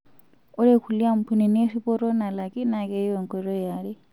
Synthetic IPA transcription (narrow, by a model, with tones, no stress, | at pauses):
ɔ˦ɺe˦kʰu˨li˦a˦m̩˨pʰu˨ni˨ni˦e˦si˦pɔ˦ɾɔ˦na˨la˨ki˦na˨kɛ˦i˦ɔ˨ŋkʼɛ˨ɾɔ˦ja˨ɺi˦